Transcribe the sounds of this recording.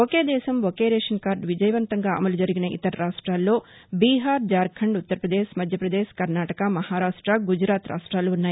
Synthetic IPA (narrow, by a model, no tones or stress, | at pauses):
okeːd̪ɛːʃɐmokeːɾeːʂɐnkaːɾɖʋid͡ʒɐjɐʋɐnt̪ɐŋɡaːɐ̰mɐlud͡ʒɐɾiɡinɐʔḭt̪ɐɾɐɾaːʂʈɾaːlːo̞ː | biːɦaːɾd͡ʒaːɾkʰɐɳɖut̪ːɐɾpɾɐd̪eːʃmɐd̪ʱjɐpɾɐd̪eːʃkɐɾnaːʈɐkɐmɐhaːɾaːʂʈɾɐɡud͡ʒɾaːt̪ɾa̰ːʂʈɾaːluunːaːji